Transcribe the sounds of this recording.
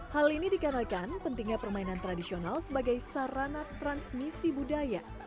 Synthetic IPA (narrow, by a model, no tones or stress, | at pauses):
halinidikanakanpənt̪iŋɲapərmainant̪ɾadisionalsəbaɡajsaɾanat̪ɾansmisibudaja